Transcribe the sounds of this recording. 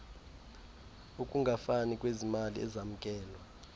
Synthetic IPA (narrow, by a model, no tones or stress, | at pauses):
ukʼuŋɡʱafanikʼwezimalḭɛ̰zam̩kʼɛːlwa